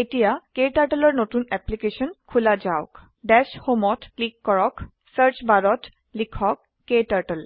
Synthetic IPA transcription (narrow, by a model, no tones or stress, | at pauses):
etijakeʈaʈəlɔɹnotunɛplikesɔnkʰulad͡ʑawʊk | ɖɛshomɔtklikːɔɹɔk | səɹt͡ʃbaɹɔt | likʰɔkːetaʈəl